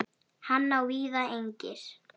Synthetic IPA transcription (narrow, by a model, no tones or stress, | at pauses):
hanːawviːðaejɲcɪɾ̥